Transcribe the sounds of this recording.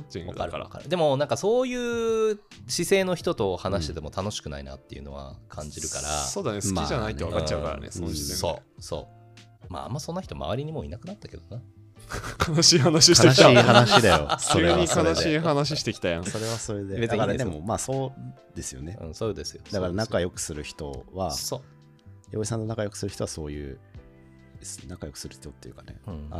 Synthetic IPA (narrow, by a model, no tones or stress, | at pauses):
kaɾɯkɾaa̰ɾd̪e̞mo̞nãŋkaso̞ːjɯː | ɕise̞ːno̞çi̥t̪o̞t̪o̞hanaɕi̥t̪e̞t̪emo̞t̪ano̞ɕi̥kɯ̟naina̰t̪ːe̞jɯ̟̰no̞̰βa̰kʰãɲ̟d͡ʑiɾɯ̟kaɾa̰so̞ːd̪anesɨ̥kiʑanait̪oakkat͡ɕːaɯ̟ka̰ɾa̰nḛsoieso̞̰ːso̞̰ː | ma̰a̰mːasõ̞nːaçi̥t̪oma̰βaɾʲiɲ̟imo̞̰ḭnakɯ̟nat̪ːake̞d̪o̞na | kʰanaɕiːɦanaɕikt̪eaɕiːhanaɕid̪ajo̞̰kʰʲoɨeɲikanaɕiːanaɕ̬iɕi̥t̪e̞kʲi̥t̪ajãso̞ɾe̞βaso̞ɾe̞d̪eeaed̪e̞mo̞maːso̞ː | d̪̥e̞sɨjo̞̰ne̞ɯ̰̃sod̪e̞sɨjod̪akaɾanakajo̞kɯ̟̥sɨɾɯ̟çi̥t̪o̞βasoː | jo̰ːisãnːo̞nakajo̞kɯ̟sɨɾɯ̟ç̥it̪o̞βaso̞ːjɯː | d̪esɨ̥onakajo̞kɯ̟sɨɾɯ̟çi̥t̪o̞t̪ːe̞jɯ̟kanḛ̃a